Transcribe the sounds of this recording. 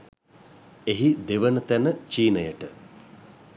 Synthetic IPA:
eɦid̪eʋənət̪ænət͡ʃiːnəjəʈə

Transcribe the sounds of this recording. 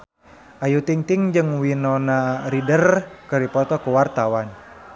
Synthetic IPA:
ʔajut̪iŋt̪iŋd͡ʒɨŋwinɔnaɾidərkəɾipɔt̪ɔkuwart̪awan

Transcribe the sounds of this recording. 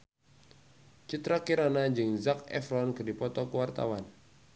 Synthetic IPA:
t͡ʃut̪ɾakiɾanad͡ʒɨŋzakɛ̰fɾɔnkɨrdipɔt̪ɔkuwart̪a̰wan

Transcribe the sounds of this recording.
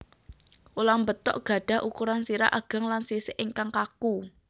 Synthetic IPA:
ʔulambət̪ɔ̰ʔɡ̥ä̤ɖ̥a̤ɦʔukuɾansiɾa̰ʔaɡ̥a̤ŋlansisɪʔiŋkaŋkaku

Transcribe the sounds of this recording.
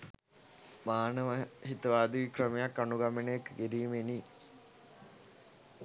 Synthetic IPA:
maːnəʋəhit̪əʋaːd̪iikrəmejakːanuɡamənəjekɡeɾiːmeni

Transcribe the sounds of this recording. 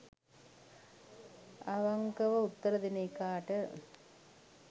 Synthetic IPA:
ɐʋɐŋkɐʋɐut̪ːɐɾɐd̪inekːaːʈɨ

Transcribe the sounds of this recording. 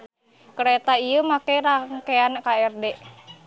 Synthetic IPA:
kəɾɛt̪aijəmakeɾaŋkeankaɛrdɛʔ

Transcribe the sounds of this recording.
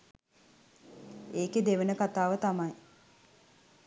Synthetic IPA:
eːked̪eʋənəkat̪aːʋət̪amaj

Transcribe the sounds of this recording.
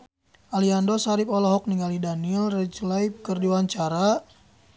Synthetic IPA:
ʔaliandɔsaɾipɔlɔɦɔk̚niŋalidanilrɛd͡ʒlajp̚kərdiwaɲt͡ʃaɾa

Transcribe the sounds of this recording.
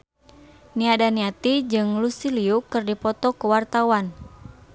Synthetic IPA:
niadaniat̪id͡ʒɨŋlusiliukɨrdipɔt̪ɔkəwart̪awan

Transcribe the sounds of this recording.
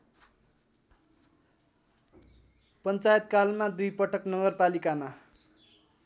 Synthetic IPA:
pʌnt͡sajʌt̪̚kalmad̪ujpʌʈʌknʌɡʌrpalikama

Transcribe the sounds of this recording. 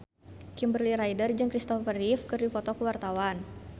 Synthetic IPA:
kimbərliɾajdərd͡ʒɨŋkɾist̪ɔfərifkɨrdifɔt̪ɔkuwart̪awan

